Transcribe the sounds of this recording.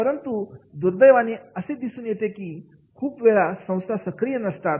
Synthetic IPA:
pəɾənt̪ud̪uɾd̪əjʋaniəsed̪isuːnjet̪ekiː | kʰuːpʋeɭasə̃w̃st̪ʰasəkɾijənəst̪at̪

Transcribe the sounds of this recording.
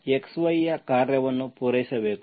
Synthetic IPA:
eksʋɐjɐkaːɾjɐʋɐnːupuːɾɐjsɐbeːk

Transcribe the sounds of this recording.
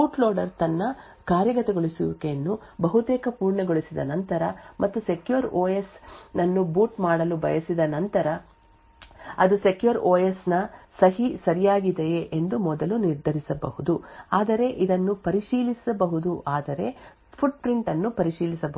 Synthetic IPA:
uːʈloːɖɐɾt̪ɐnːɐ | kaːɾjɐɡɐt̪ɛɡoɭisiʋukeɐnːubɐɦut̪ɛːkɐpuːɾɳɐɡo̞ɭisid̪ɐ̰nɐnt̪ɐɾɐmʔɐt̪ːuse̞kjuɐɾoːjesnɐnːubuːʈmaːɽɐlubɐ̰jɐsid̪ɐnɐnt̪ɐɾɐ | ɐd̪usekjuɐɾoːjesnɐsɐɦisɐɾijaːɡid̪ejeʔend̪umɔd̪ɐluniɾd̪ʱɐɾisɐbɐ̰ɦud̪uaːd̪ɐɾe̞ʔid̪ɐnːupɐɾiʃiːlisɐbɐɦud̪uʔaːd̪ɐɾe̞ | pʰuɖ̚pɾiɳʈɐnːupɐɾiʃiːlisɐbɐ

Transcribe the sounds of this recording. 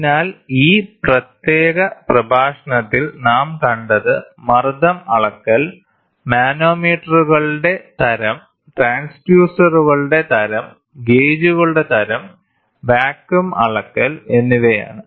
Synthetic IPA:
naːliːprɐt̪jeːɣɐprɐbʱaːʂɐɳɐt̪ːilnaːmkɐɳɖɐðɨmɐrd̪ɐmɐɭɐkːɐl | maːno̞ːmiːʈːɐruɣɐɭɨɽe̞t̪ɐɾɐm | ʈraːnsbjuːsɐruɣɐɭuɽe̞t̪ɐɾɐm | ɡe̞ːd͡ʑuɣɐɭuɽe̞t̪ɐɾɐm | ʋaːkːjumɐ̰ɭɐkːɐle̞nːiʋeja̰ːɳɨ

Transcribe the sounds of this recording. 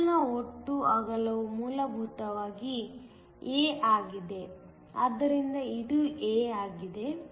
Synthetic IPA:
nɐoʈːuɐɡɐlɐʋumuːlɐbʱut̪ɐʋaːɡi | eːʔaːɡid̪e̞ | a̰d̪ːɐɾind̪ɐid̪ueːaːɡid̪e̞

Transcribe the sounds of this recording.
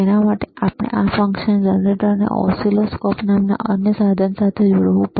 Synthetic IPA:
enamaʈeapɽ̃ḛʔafəŋkʃənd͡ʒəneʈəɾnḛʔɔ̰siloskɔpnamna̰ʔənjəsad̪ʱənsat̪ʰed͡ʒoɽʋũp

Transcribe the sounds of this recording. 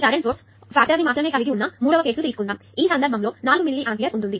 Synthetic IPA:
t͡ʃaːɾeɳʈoːʈs | paːt̪ɾɐdimaːt̪ɾɐmeːkɐʋid̪iunːɐmuːɽɐʋɐkeːsulut̪iːsu̥kund̪aːmiːsɐnd̪ɐɾbʱɐmlo̞ːnaːlumilːiʔaːpijɐɾuɳʈ̪und̪i

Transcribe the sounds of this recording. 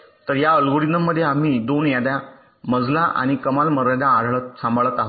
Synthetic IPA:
t̪əɾjaəlɡoɽinəmːəd̪ʱːjeam̤iːd̪onjad̪ja | məd͡zlaʔa̰ɽ̃ikəmalməɾəd̪ãːɽɭət̪sə̃mbɭət̪aɦo

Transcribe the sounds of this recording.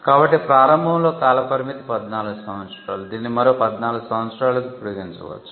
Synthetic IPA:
kaːbɐʈːipɾaːɾɐmbʱɐmlo̞ːkaːlɐpɐɾimit̪i̥pɐd̪naːluɡusɐwɐt̪t͡ʃɾa̰ːlud̪iːnːimɐɾoːpɐd̪naːluɡusɐwɐt̪sɾaːlukipːuɽuɡeːnɐd͡ʒṵːʋɐ̰t͡ʃːu̥

